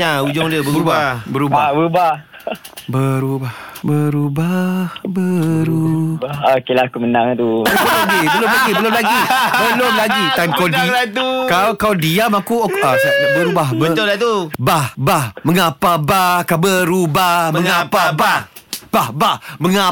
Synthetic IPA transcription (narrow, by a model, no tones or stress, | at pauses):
aud͡ʒɔŋdiəbəbəbabəɾubabəɾubah | bəɾubahbəɾubahbəɾuokelakumənaŋt̪uəolaɡibəlʊmlaɡibəlʊmlaɡibəlomlaɡit̪ankadilat̪ukawkawdiamakuasabəɾubaɦbəət̪ʊlat̪ubahbahməŋapabahkabəɾubahməŋŋapabab̥ahbahməŋa